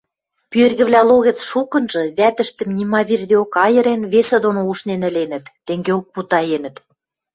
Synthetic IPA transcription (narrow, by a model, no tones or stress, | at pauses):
pyerɣɘ̆βlæloɣĕt͡sʃukɤ̆nʒɤ̆βæt̪ə̆ʃt̪ə̆mnʲimɑβird̪eokɑjɤ̆ɾenβesə̆d̪onouʃnenə̆lenə̆t̪ːeŋɡeok̚put̪ɑjenə̆t̪